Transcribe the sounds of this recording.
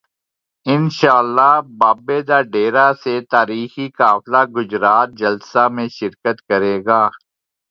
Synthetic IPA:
ɪnʃaːəlːabaːbed̪aːɖeːɾaset̪aːɾiːxikaːflaɡʊd͡ʒɾaːt̪̚d͡ʒɐlsamẽʃɪɾkət̪kəɾeːɡaː

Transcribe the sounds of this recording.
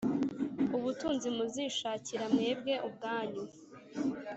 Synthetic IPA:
uβutuːnzimuziːʃaːciɾamŋe̞ːb̚ɡe̞ʔubɡaːɲu

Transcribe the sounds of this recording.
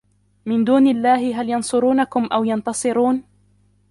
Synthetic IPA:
mɪnd̪uːnɪlːaːhɪɦaljɑnsˤʊɾuːnakʊmʔawjɑnt̪ɑsˤɨɾuːn

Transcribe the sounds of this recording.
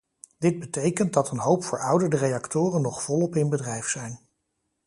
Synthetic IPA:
dɪd̚bətejkənt̚dɑtənɦowpfʊːɹʌwdəɹdərejɑktʊːrənːɔχfɔlɔpɪnbədrɛjfsɛjn

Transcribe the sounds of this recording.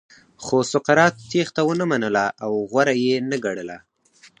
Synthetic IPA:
xosʊqaɾɑt̪̚ːext̪awənəmanəlaʔawɣwaɾajenaɡaɽəla

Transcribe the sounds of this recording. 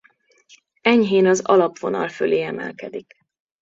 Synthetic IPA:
ɛɲɦeːnɒzɒlɒpʋo̞nɒlføleːɛmɛ̰lkɛd̪ik

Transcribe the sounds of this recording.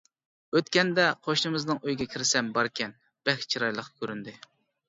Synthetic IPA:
øt̪̚kʲɛnd̪ɛqʰoʃnɨmɪznɨŋøjɡʲɛkʲʰiɾɪsɛmbɑɾkʲɛn | b̥ɛkʲt͡ʃʰiɾɑjlˠəqːkʲʰøɾynd̪ɪ

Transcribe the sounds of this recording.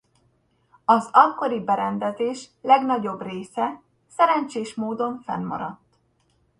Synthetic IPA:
ɒzɒkːo̞ɾibɛɾɛnd̪ɛzeːʃlɛɡnɒɟo̞breːsɛ | sɛɾɛɲt͡ʃeːʃmoːd̪o̞ɱfɛ̰nmɒ̰ɾɒt̪ː

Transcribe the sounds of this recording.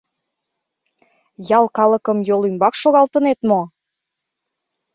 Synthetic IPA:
jɑlˠkɑləkəmjolymbɑkʃoɣɑlt̪ənet̪mo

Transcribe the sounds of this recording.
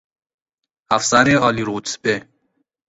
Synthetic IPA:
afsaɾeɒːliɾuːsbe

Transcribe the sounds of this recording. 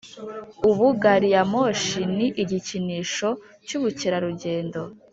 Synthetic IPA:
uβuɡaɾijamoʃiniʔiɟiciniːʃo̞ | cuβuciɾaɾuɟe̞ːndo̞

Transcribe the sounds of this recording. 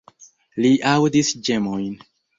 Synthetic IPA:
liʔawdisd͡ʒe̞mojn

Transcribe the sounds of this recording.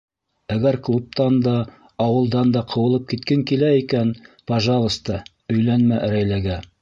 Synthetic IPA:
æɡæɾklˠup̚t̪ɑnd̪ɑː | wɤ̆lˠd̪ɑnd̪ɑqʰɤ̆wɤ̆lˠɤp̚kit̪̚kɘŋkilæikænpɑʒɑlˠə̆st̪ɤ | ɵ̆jlænmæʔæɾæjlæɡæ

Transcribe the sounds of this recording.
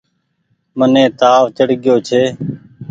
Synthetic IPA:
mənẽːt̪aːʋt͡ʃəɽɡɪjoːt͡ʃʰeː

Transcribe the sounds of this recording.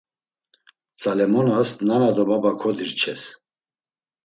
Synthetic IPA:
t͡sʼalɛmɔnasnanad̪ɔbabakʰɔd̪iɾt͡ʃʰɛs

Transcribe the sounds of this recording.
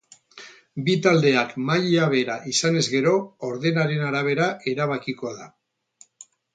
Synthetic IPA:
bit̪ald̪e̞akmajaβe̞ɾaʔisane̞zɣe̞ɾo̞oɾðe̞naɾe̞naɾaβ̞e̞ɾaʔe̞ɾaβakiko̞ða

